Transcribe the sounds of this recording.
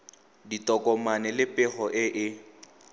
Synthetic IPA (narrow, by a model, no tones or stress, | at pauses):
ditʼɔkʼɔmanɛlɪpʼɛχɔʔɪʔɪ